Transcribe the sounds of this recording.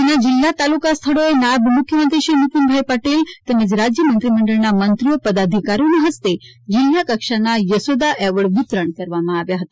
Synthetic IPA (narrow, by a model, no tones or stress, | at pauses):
d͡ʒinad͡ʑilːat̪alukast̪ʰəɽoenabmukʰjəmənt̪ɾiʃiːnuk̪unbʱajpəʈelt̪əmed͡zɾad͡ʑjəmənt̪ɾiməɳɖəɭnamənt̪ɾijəpəd̪ad̪ʱikaɾjunɦəst̪ed͡ʑilːjakəkʂanajəsod̪aʔɛʋəɽʋɪt̪ɾəɳkɐɾʋamãːʋjaɦət̪a